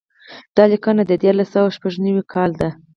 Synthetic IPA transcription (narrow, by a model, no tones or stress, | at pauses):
d̪̥ɑlɪkɑnad̪əd̪jɑɾlasawaʃpaʐnawikʰɑld̪a